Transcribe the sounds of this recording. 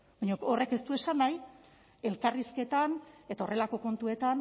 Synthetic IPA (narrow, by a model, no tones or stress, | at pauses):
baɲokore̞ke̞st̪ue̞sanaj | e̞lkariske̞t̪ane̞t̪ao̞rʔe̞lako̞ko̞nt̪ue̞t̪an